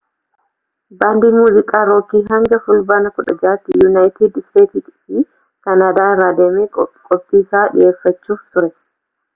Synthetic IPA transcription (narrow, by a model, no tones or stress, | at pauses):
baːnd̪iːmuːzɪkʼaːɾoːkːiːɦɐŋɡɐfʊlbaːnɐkʊᶑɐ̰d͡ʒaːt̪ːɪjunaːjɪt̪id̪st̪eːt̪ɪt̪ːfɪ | kɐnaːd̪aːɾaːd̪eːmeːkɔkʼɔpʼːiːɪsaːᶑɪ̰jeːfːɐt͡ʃːuːft̪ʊɾɛ